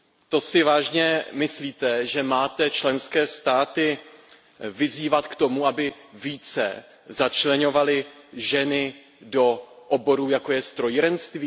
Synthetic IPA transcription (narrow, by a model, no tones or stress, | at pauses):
t̪o̞sɪvaːʒɲɛmɪsliːt̪ɛʒɛmaːt̪ɛt͡ʃlɛnskɛːst̪aːt̪ɪ | vɪziːvat̪kt̪o̞muabɪ | viːt͡sɛ̰ | zat͡ʃlɛɲo̞valɪʒɛnɪ | do̞ʔobo̞ɾuːjako̞jɛst̪ɾojɾɛnst̪viː